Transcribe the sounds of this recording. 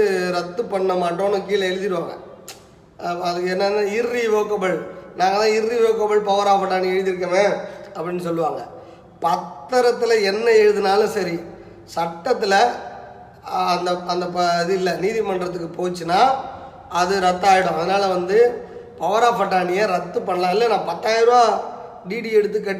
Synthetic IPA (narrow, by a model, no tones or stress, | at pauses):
ɾɐt̪ːɯpːɐɳːɐmaːʈːõːnɯ̃kiːlɐɛɻɯðɪɾɯʋaːŋɡɐ̰ | ɐðɯkːɛnːɐnːaːɪrːiʋoːkːɐbɐɭnaːŋɡɐðãːɪɾːiʋoːkːɐbɐɭpɐʋɐɾaːfɐʈːaːɳiɛɻɯðɪɾɯk̬ːɐʋẽːɐpːɐɽɪnːɯsɔlːɯʋaːŋɡɐ | pɐt̪ːɐɾɐt̪ːɯlɐɛnːɐɛɻɯðɯnaːlɐsɐɾi | sɐʈːɐt̪̬ːɪlɐ | ɐnd̪ɐɐnd̪ɐpɐðɯɪlːɐniːðimɐɳɖɾɐt̪ːɯkːɯpoːt͡ʃːɯnːaː | ɐðɯɾɐt̪ːaːjɪɽɐ̃ɐðɐnaːlɐʋɐnd̪ɯpɐʋɐɾaːfɐʈːaːɳɪjeɾɐt̪ːɯpɐɳlãːɪlːɐnãːpɐt̪ːaːjɪɾɯaː | ɖiːɖiɛɽɯt̪̬ːɯkːɐʈː